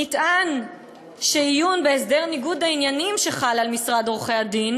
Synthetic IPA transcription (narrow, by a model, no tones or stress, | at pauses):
nitʔan | ʃeijunbeːsdeʁniɡud̪ainjanimʃeχalalmisʁad̪ʁoχead̪in